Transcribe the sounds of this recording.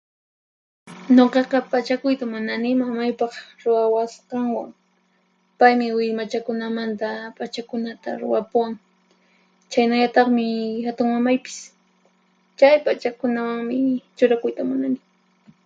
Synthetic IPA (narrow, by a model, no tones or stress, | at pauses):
ɲoqɑqɑpat͡ʃakʊjt̪amʊnanɪmamajpɑχɾʊwawasqɑŋwaŋ | pajmɪwɪmat͡ʃakʊnamant̪apat͡ʃakʊnat̪a̰ɾʊ̰wapʊwaŋ | t͡ʃajnaʎat̪ɑχmɪhat̪ʊŋmamajpɪ̥s | t͡ʃajpat͡ʃakʊnawaŋmɪt͡ʃʊɾakʊjt̪amʊnanɪ